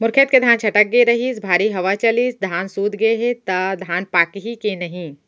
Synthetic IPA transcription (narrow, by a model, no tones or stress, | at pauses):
mʊɾkʰet̪ked̪ʱaːnt͡ʃʰɐʈək̚ɡeɾɐɦiːsbʱaːɾiɦɐʋat͡ʃɐliːsd̪ʱaːnsuːd̪ɡəeɦet̪ɐd̪ʱaːnpaːkɦikenɐɦĩ